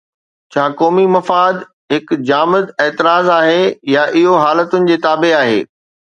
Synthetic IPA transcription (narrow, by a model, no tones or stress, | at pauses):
t͡ɕʰaːkɔːmimɐfaːd̪ | ɦɪkd͡ʑaːmɪd̪ɛːt̪ɪɾaːzaːɦejaʔɪɦoɦaːlət̪ʊnɪ̆d͡ʑeːt̪aːbeaːɦḛː